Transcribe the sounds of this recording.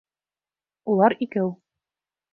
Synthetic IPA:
ulˠɑɾikɘw

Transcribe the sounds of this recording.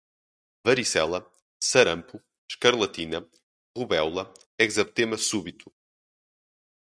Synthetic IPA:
vɐɾisɛ̰lˠɐ | sɐɾɐ̃mpu | ʃkɐɾlˠɐt̪inɐ | ʁuβɛwlˠɐ | ɛɣzɐβt̪emɐsuβit̪u̥

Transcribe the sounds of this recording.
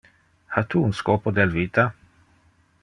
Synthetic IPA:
hat̪ʰuːunskoːpod̪ɛlviːt̪a

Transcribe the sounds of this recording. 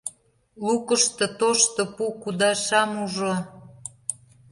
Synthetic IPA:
lukəʃt̪ŏt̪oʃt̪ŏpukud̪ɑʃɑmuʒo

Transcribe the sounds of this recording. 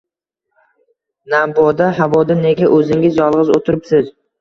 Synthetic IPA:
nabɒd̪aɦavɒd̪ane̞ɡʲaʔɵzɪŋʲɪzjɒlˠʁɨzot̪ʰʊɾɪpsɪz

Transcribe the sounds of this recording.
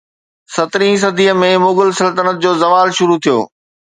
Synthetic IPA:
sɐt̪ɾĩs̬ɐd̪ʱiːəmẽmʊːɡʊlsɐlt̪ənət̪̚d͡ʑoːzɐʋaːlʃʊɾut̪ʰijo̰ː

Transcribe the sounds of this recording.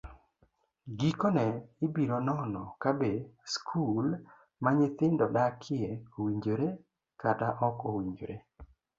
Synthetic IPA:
ɡikɔnɛɪbiɾonɔnɔkabeskʰul | maɲɪt̪ɪndɔdakʰɪeowiɲd͡ʒoɾe | kataʔɔkowiɲd͡ʒo̰ɾe

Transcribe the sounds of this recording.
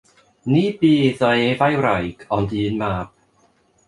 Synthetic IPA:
nibiːðɔevajwɾajɡɔndinmap̚

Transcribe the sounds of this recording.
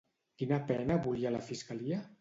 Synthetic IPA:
kinapɛnaβulialafiskalia

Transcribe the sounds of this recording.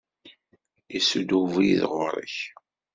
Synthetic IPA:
isud̪uvijðʁʊɾˤə̰ç

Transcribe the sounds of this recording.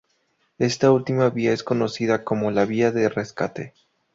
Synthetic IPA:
e̞st̪ault̪imaβiae̞sko̞no̞siðako̞mo̞laβiaðe̞re̞ska̰t̪e̞̰

